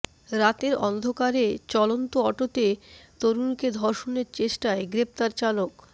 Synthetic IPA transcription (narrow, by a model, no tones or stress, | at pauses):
ɾat̪eɾɔnd̪ʱokaɾet͡ɕɔlont̪oɔʈot̪et̪oɾunked̪ʱɔɾʃoneɾt͡ɕeʃʈaeɡɾep̚t̪aɾt͡ɕalok